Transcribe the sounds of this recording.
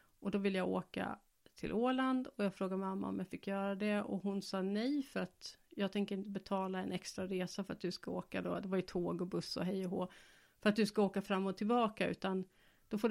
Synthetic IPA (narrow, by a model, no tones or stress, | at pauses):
ɔd̪ɔvɪlːjɑːɡoːka̰ | t̪ʰɪ̰lʔoːland̪ɔjɑːɡfɾoːɡad̪mɛmamːa̰ɔ̰mjɑːfɪkʰːjœːɾad̪ɛɔ̰ɦʊnsɑːnɛjfœɾat̪jɑːɡt̪ɛŋkəɾɪnt̪əbɛt̪ʰɑːlaɛnɛkst̪ɾaɾeːsafœɾat̪̚d̪ɵskaoːka̰d̪o̰d̪ɛvaɾjɵt̪ʰoːɡɔbɵsːɔ̰ɦɛjːɔɦoː | fœɾat̪̚d̪ɵskaoːkafɾamːɔt̪ʰːɪlbɑːkaʉ̟ːt̪an | d̪̥ɔfoː